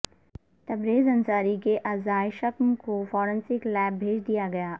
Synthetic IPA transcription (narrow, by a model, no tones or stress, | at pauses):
t̪ɐbɾeːzɐ̃nsaːɾikeʔaːzaːjʃɐkmkofɔːɾə̃nsɪklɛːbbʱeːd͡ʒd̪ijaɡɐjaː